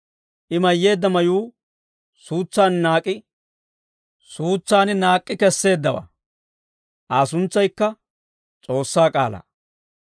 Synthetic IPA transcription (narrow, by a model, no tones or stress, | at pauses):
ʔɪmɐjːe̞ːd̪ːɐmɐjuː | suːt͡sːaːnnaːkʼːɪ | suːt͡sːaːnɪnaːkʼːɪkɛsːe̞ːd̪ːɐwa̰ | ʔaːs̬ʊnt͡sːɐjkːɐ | t͡sʼo̞ːsːaːkʼa̰ːlɐ̰